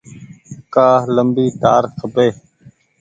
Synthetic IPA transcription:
kaːɦləmbiːt̪aːɾkʰəbeː

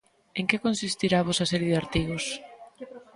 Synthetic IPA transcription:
eŋkekonsist̪iɾaːβɔsɐsɛɾjeðeaɾt̪iɣʊs

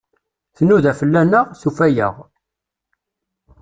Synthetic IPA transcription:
θənːuðæfəlːænəʁθufæjə̰ʁ

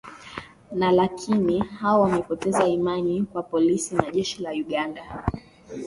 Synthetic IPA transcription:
nalakʰinihaɔwamɛpɔtɛzaimanikwapɔlisinaʄɛʃilauɠanda

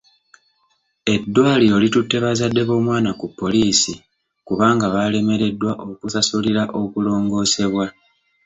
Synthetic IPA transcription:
e̞dːwaːlio̞ːlitutːe̞βazadːe̞βo̞ːmwaːnakupːo̞liːsi | kuβaːŋɡaβale̞me̞ɾe̞dːwaʔo̞kusasuliɾaʔo̞kulo̞ːŋɡo̞ːse̞βwa

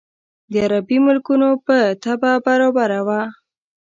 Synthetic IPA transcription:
d̪əaɾabimʊlkunopət̪ababaɾobaɾawa

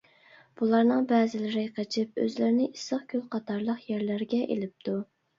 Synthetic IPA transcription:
b̥ulˠɑɾnɨŋbɛːzɪlɪɾɪqʰət͡ʃʰɪp̚ø̰zlɪɾnɪʔisəχkʲʰylˠqʰɑt̪ʰɑɾlˠəqjæɾlæɾɡʲɛʔḛlɪp̚t̪ʰu

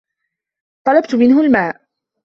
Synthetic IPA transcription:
t̪ˤɑlɑbt̪ʊmɪnɦʊlmaːʔ

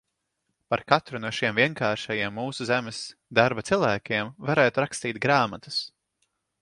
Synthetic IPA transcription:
paɾkat̪ɾunuɔʃiɛmviɛŋkaːɾʃajiɛmːuːsuzæmɪsd̪aɾbat̪silˠvæːkʲiɛmvaɾɛːt̪uɾakst̪iːt̪̚ɡɾaːmat̪ɨ̥s

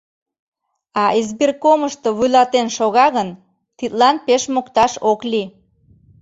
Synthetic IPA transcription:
ɑʔezbirkoməʃt̪oβujlɑt̪enʃoɣɑɣən | t̪it̪lɑnpeʃmokt̪ɑʃokli

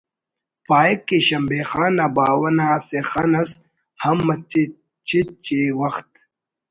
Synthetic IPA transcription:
paːekːeɕɐmbeːxaːnabaːwɐnaːsexɐnɐs | hɐmːɐt͡ɕe | t͡ɕʰit͡ɕewɐxt̪

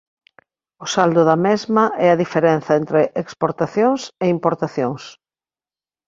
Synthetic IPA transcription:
ʊsald̪ʊðɐmezmɐʔɛɐðifeɾɛn̟θɐent̪ɾeʔekspoɾt̪aθjoŋseimpoɾt̪aθjoŋs

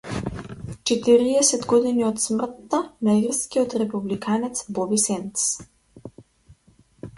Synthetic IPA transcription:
t͡ʃɛt̪iɾiɛsɛd̪ɡɔd̪iniɔt̪smr̩t̪ːanairskiɔt̪ɾɛpublikanɛt̪sbɔbisɛnt̪s

